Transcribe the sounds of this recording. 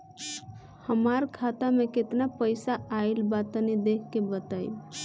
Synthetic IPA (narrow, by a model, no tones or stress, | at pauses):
həmaɾkʰat̪ameket̪napəɪsaailbat̪nid̪ekʰkebət̪əj